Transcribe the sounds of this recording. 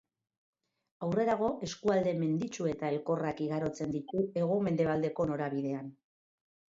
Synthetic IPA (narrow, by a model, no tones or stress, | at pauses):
awre̞ɾaɣo̞ʔe̞skuald̪e̞me̞nd̪it͡ʃue̞t̪ae̞lko̞rakiɣ̞aɾo̞t͡se̞nd̪it̪ue̞ɣ̞o̞me̞nd̪e̞βald̪e̞ko̞no̞ɾaβiðe̞an